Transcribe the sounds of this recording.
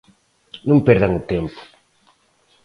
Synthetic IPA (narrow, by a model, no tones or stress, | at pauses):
nũmpɛɾðaŋʊt̪empʊ̥